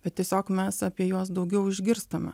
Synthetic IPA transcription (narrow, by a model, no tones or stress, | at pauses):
bʲɛt̪̚tʲiɛsʲoːkmʲɛsɐpʲiɛjuɔsd̪ɐʊɡʲɛʊɪʒʲɡʲɪɾst̪ɐmʲɛ̰